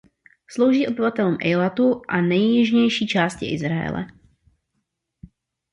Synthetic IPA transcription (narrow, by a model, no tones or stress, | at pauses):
slo̞wʒiːʔo̞bɪvat̪ɛluːmʔɛjlat̪uʔanɛjːɪʒɲɛjʃiːt͡ʃaːscɪʔɪ̰zɾajɛ̰lɛ̰